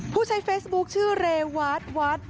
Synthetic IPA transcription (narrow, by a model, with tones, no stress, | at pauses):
pʰuː˥˩t͡ɕʰa˧˥jfeː˦˥sbu˦˥k̚t͡ɕʰɯː˥˩ɾeː˧waː˦˥t̪̚waː˦˥t̪̚